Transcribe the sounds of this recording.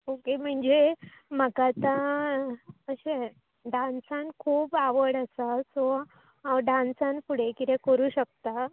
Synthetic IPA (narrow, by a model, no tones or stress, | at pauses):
okem̤əɳd͡zeməɡat̪a | əɕe | ɖãnsankʰuːpaʋəɽəsasɔ | ɦaɖãnsãnpuɽ̤ekit̪ekəɾuːɕək̚t̪a